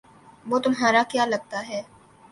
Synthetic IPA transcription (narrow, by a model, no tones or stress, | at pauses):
ʋoːt̪ʊmɦaːɾakjaːlɐɡ̚t̪aɦɛː